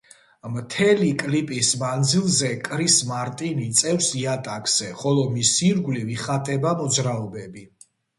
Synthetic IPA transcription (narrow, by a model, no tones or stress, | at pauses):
mt̪ʰɛlikʼlipʼismand̪zilˠzɛkʼɾismaɾt̪ʼinit̪sʼɛfsiat̪ʼakʼz̥ɛχɔlˠɔmisiɾɡliviχat̪ʼɛbamɔd̪zɾaɔbɛbi